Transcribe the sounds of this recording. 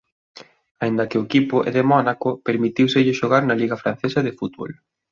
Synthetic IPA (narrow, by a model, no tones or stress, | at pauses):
aind̪ɐkɪʊekipʊʔḛðemɔnakʊpeɾmit̪iwsɪʎɪʃoɣaɾnɐliɣɐfɾan̟θesɐðɪfut̪βo̰l